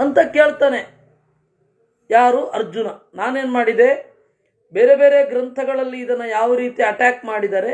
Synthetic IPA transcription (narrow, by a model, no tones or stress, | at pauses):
ɐnt̪ɐke̞ːɭt̪aːne̞ | jaːɾuʔɐɾd͡ʒunɐnaːne̞ːnmaːɽid̪e̞ | be̞ːɾe̞be̞ːɾe̞ɡɾɐnt̪ʰɐɡɐɭɐlːiːd̪ɐnːɐjaːʋɐɾiːt̪iɐʈaːkmaːɽid̪aːɾe̞